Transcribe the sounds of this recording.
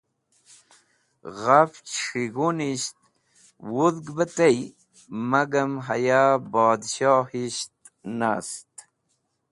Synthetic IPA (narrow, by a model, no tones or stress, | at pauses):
ʁaft͡ʃʂiɣuniɕt̪̚ | wuðɡbət̪ej | maɡəmɦajabɑːd̪ɕɑhiɕt̪ | na̰st̪